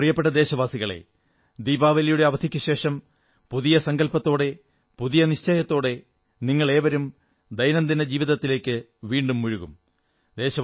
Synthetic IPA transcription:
prijɐpːe̞ʈːɐd̪e̞ːɕɐʋaːsiɣɐɭḛ | d̪iːbaːʋɐlijuɽeɐʋɐd̪ʱikʲːuɕe̞ːʂɐm | puðijɐsɐŋɡɐlpɐt̪ːo̞ːɽe̞ | puðijɐniɕt͡ɕejɐt̪ːo̞ːɽe̞ | niŋːɐɭe̞ːʋɐɾum | d̪ɐjnɐnd̪inɐd͡ʑiːʋiðɐt̪ːile̞ːkʲːɨ | ʋiːɳɖumːuɻuɣum | d̪e̞ːɕɐ

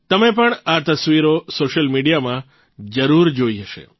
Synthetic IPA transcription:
t̪əmep̬əɳat̪əsʋiɾosoʃəlmiɖijamã | d͡ʒəɾuɾd͡ʒoiɦəʃḛ

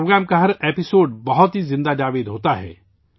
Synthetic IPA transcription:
oːɡɾɛːmkaɦɐɾeːpɪsoːɖbɐɦɔt̪ɦizɪ̃nd̪ad͡ʒaːʋeːd̪ɦoːt̪aɦɛ̰ː

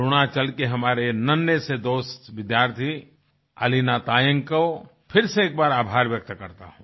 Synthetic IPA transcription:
ɾonat͡ʃɐlkeɦɐmaːɾenɐnːjəsed̪oːst̪ʋɪd̪jaːɾt̪ʰi | ɐ̰linat̪aːjə̃ŋkəw | pʰɪɾseeːk̚baːɾaːbʱaːɾʋjək̚t̪kɐɾt̪a̰ɦũː

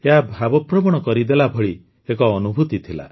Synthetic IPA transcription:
eɦabʱabɔpɾɔmɔɽ̃ɔkɔɾid̪elabʱɔɭi | ekɔːnubʱut̪it̪ʰila̰

